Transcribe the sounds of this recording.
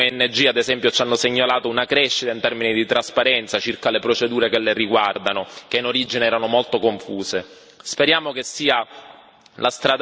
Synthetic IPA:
eɛnːed͡ʒiːad̪ezɛmpjot͡ʃanːoseɲːalaːt̪ounakɾɛʃːit̪aint̪ɛrminid̪it̪ɾaspaɾɛnt̪sat͡ʃirkalepɾot͡ʃed̪uːɾekelːeriɡward̪anok̟einoɾid͡ʒineɛːɾanomolt̪okoɱfuːse | speɾjaːmokesːiːa | last̪ɾad̪

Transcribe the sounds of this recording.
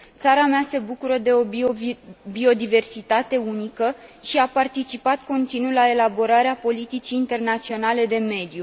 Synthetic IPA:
t̪saɾamease̞bukuɾəd̪e̞o̞ | bio̞d̪ive̞rsit̪at̪e̞unikəʃiapart̪it͡ʃipat̪ko̞nt̪inulae̞labo̞ɾaɾeapo̞lit̪it͡ʃiːnt̪e̞rnat̪sio̞nale̞d̪e̞me̞d̪ju

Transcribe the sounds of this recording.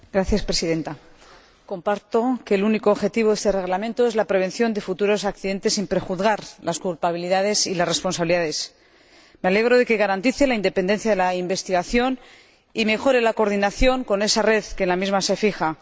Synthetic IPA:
ɡɾaθjaspɾe̞siðe̞nt̪a | ko̞mpaɾt̪o̞keluniko̞ːβxe̞t̪iβ̞o̞ðe̞st̪e̞re̞ɣlamẽnt̪o̞ezlapɾe̞β̞e̞nθjo̞nd̪e̞fut̪uɾo̞sakθiðe̞nt̪e̞simpɾe̞xuðɣaɾlʔaskulpaβiliðað̞e̞silasre̞spo̞nsaβiliðaðe̞s | me̞ale̞ɣɾo̞ðe̞ke̞ɣaɾant̪iθe̞laind̪e̞pend̪e̞n̟θjaðe̞laimbe̞st̪iɣaθjo̞n | ime̞xo̞ɾe̞lako̞ɾðinaθjo̞ŋko̞ne̞sare̞ðkenlamizmase̞fixa

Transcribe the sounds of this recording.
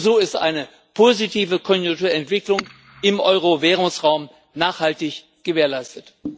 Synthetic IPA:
zoːɪstʔa̰ɪnə | pʰoːzitʰiːvəkʰɔnjʊŋtuːɐɛntv̥ɪklʊŋ | ʔɪmʔɔʏʁ̞oveːʁ̞ʊŋsʁaʊm | naːχhaltɪç | ɡ̥əveːɐlaɪstət

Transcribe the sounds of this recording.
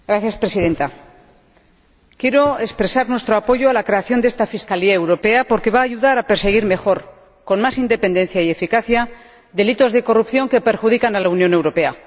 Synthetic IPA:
ɡɾaθjaspɾe̞siðe̞nt̪a | kje̞ɾo̞e̞spɾe̞saɾnwe̞st̪ɾoapo̞ʝoalakɾe̞aθjo̞nd̪e̞st̪afiskaliae̞wɾo̞pe̞apo̞ɾke̞βaːʝuðaɾape̞ɾse̞ɣ̞iɾme̞xo̞ɾ | ko̞nmasind̪e̞pe̞nd̪e̞nθjaie̞fikaθja | ðe̞lit̪o̞zðe̞ko̞rupθjo̞ŋke̞pe̞ɾxuð̞ikanalaunjõ̞ne̞wɾo̞pe̞a̰

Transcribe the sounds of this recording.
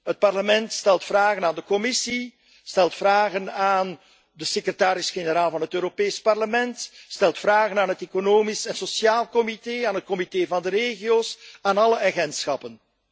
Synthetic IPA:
ɦət̚pɑrləmɛntstɛlˠtfraːɣənaːndəkɔmɪsi | stɛlˠtfraːɣənaːn | dəsekrətaːɾɪsxenəɾaːlˠvɑnɦətøːɾopeːspɑrləmɛntstɛlˠtfraːɣənaːnɦəteːkonoːmisɛnsɔsjaːlˠkɔmiteːaːnɦət̚kɔmiteːvɑndəɾeːɣijoːsaːnɑləʔaɣɛntsxɑpən

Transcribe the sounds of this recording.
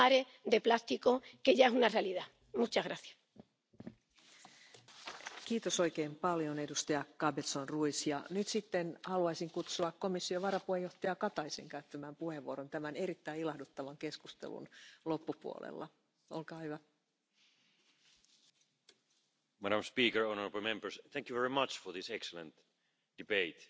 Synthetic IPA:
aɾe | d̪e̞plast̪iko̞ke̞ʝaesunarealiða | mut͡ʃaɣɾaθjḁ | kiːt̪o̞so̞jke̞ːmpɑljo̞ne̞dust̪ɑjɑkɑbet̪sonruisjɑnyt̪sit̪ːe̞nhɑluɑjsiŋkut̪suɑkkːo̞misːioʋɑɾɑpuhejo̞ht̪ɑjɑkɑt̪ɑjseŋkæyt̪ːæmæːmpuhe̞ʋːuo̞ɾo̞nt̪æmæne̞ɾit̪ːæjilɑhdut̪ːɑʋɑŋke̞skust̪ḛlṵnlo̞pːupuo̰lḛlːɑ̰ | olkɑːjʋɑ | mæɾãmspiːkəɹonəɹabl̩ˠmẽmbəɹsθæ̃ŋkjuvɛɹimɑt͡ʃfəðɪsɛksələ̰̃nt̪ | d̥ibeɪt̪

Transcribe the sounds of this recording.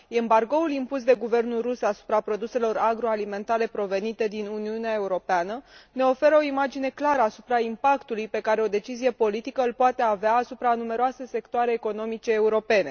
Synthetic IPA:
embarɡo̞ulimpus̬d̪e̞ɡuve̞rnulrusasu̥pɾapɾo̞d̪use̞lo̞raɡɾo̞alime̞nt̪aɾe̞pɾo̞ve̞nit̪e̞d̪inuniuneae̞uɾo̞peanəne̞o̞fe̞ɾəo̞imad͡ʒine̞klaɾəasupɾaimpakt̪ulujpe̞kaɾe̞o̞d̪e̞t͡ʃizije̞po̞lit̪ikəɨlpoat̪e̞aveaːsupɾanume̞ɾoase̞se̞kt̪oaɾeːko̞no̞mit͡ʃe̞ːuɾo̞pe̞ne̞

